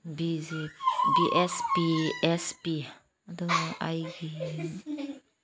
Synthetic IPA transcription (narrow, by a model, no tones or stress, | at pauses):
bizibiʔɛspiɛspi | d̪əʔajɡi